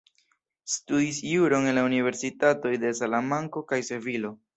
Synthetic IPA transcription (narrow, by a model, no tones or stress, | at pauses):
studisjuɾo̞ŋe̞nlaunive̞ɾsitato̞jde̞salamaŋko̞kajse̞vilo̞